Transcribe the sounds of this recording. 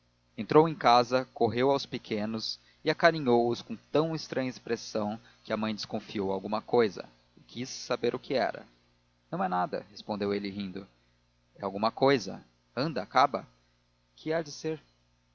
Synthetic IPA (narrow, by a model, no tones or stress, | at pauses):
ẽnt̪ɾowẽj̃kazɐkoɦewawspɪkʰẽnʊs | ɪakaɾĩɲowʊskõt̪ɐ̃w̃ɪst̪ɾɐ̃ɲɐɪspɾesɐ̃w̃ | kɪɐmɐ̃j̃d͡ʒ̪ɪskõfiowawɡũmɐkojzɐ̰ | ɪkisːabeɾʔʊkɪɛ̰ɾɐ̰ | nɐ̃w̃ɛnad̪ɐ̰hespõnd̪ewelɪɦĩnd̪ʊ | ɛawɡũmɐkojzɐ̰ | ɐ̃nd̪ɐːkabɐ̰ | kʰɪad͡ʒɪseɾ